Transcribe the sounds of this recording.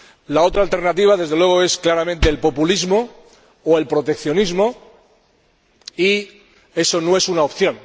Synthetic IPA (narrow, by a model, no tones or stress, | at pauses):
lao̞t̪ɾaːlt̪e̞ɾnat̪iβ̞aðe̞zðelwe̞ɣ̞o̞e̞sklaɾamẽnt̪e̞ːlpo̞pulizmo̞ | oe̞lpɾo̞t̪e̞kθjo̞nizmo̞ | i | e̞so̞no̞e̞sunaopθjo̞n